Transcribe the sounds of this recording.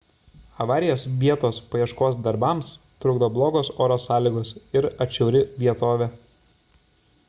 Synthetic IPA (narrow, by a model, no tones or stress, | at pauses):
ɐʋɑːɾʲɪjoːsʋʲiɛt̪oːspɐjiɛʃkoːsd̪ɐɾbɐms | t̪ɾʊɡd̪oːblˠoːɡoːsoːɾoːsɑːlʲiːɡoːsɪɾɐt͡ʃʲɛʊɾʲɪʋʲiɛt̪oːʋʲeː